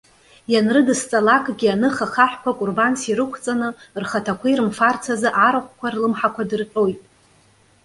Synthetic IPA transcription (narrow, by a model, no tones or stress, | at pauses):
janrɨdɨst͡sʼalakʼɡʲianɨχaχaħʷᶣkʷʰakʷʼʊrbansiɾɨkʷʰt͡sʼanɨrχatʰakʷʰijɾɨmfart͡sʰazɨʔaɾaχʷkʷʰarlɨmħakʷʰadɨrʈ͡ʂʼo̞jtʼ